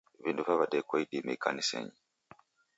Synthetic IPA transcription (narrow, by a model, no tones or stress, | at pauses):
βinduvaβadɛkwaidimeikanisɛ̰ɲi